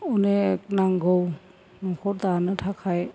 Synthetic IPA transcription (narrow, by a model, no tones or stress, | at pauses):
unek̚naŋɡɔw | naŋkʰɔɾdanɯtʰakʰaj